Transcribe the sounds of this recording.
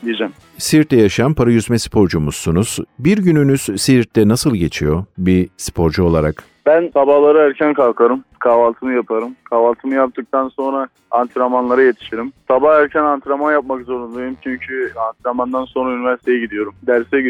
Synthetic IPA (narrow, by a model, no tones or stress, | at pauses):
d̪id͡ʒɛm | siɾt̪ːɛjaʃajanpʰaɾajyzmɛsi̥pʰo̞ɾd͡ʒumussunuz̥biɾɟynynyz̥siɾt̪lɛnasɯlˠɟe̞t͡ʃʰijo̞bispʰo̞ɾd͡ʒuo̞lˠaɾak | bænsabaːlˠaɾɯæɾcʰænkʰalˠkʰaɾɯmkʰaːvalˠt̪ʰɯmɯjapʰaɾɯmkʰaːvalˠt̪ʰɯmɯjap̚t̪ʰɯk̚t̪ʰanso̞nɾa | ant̪ʰiɾamanlˠaɾajet̪ʰi̥ʃeɾimsabahæɾcʰænant̪ʰiɾamanjap̚makzo̞ɾund̪ajjumt͡ʃʰyɲcʰyant̪ʰiɾamand̪anso̞nɾaynivæɾsi̥t̪ʰejɛɟid̪ijo̞ɾumd̪æɾsɛ